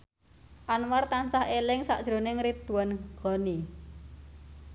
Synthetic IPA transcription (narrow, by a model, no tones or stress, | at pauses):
ʔanwart̪ansahelɪŋsaʔd̥ʒ̥ɾo̤nɪŋɾid̪uwanɡ̥ɔ̤ni